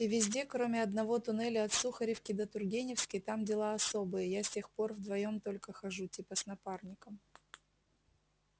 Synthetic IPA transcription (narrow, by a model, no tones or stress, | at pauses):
ivʲɪzʲdʲe̞kɾomʲɪɐd̪nɐvo̞t̪ʊnɛlʲəɐt̪suxəɾʲɪfkʲɪd̪ət̪ʊrɡʲenʲɪfskʲɪjt̪amdʲɪlˠaɐso̞bɨjəjasʲtʲe̞xpo̞rvd̪vɐjo̞mt̪o̞lʲkəxɐʐutʲipəsnɐparnʲɪkəm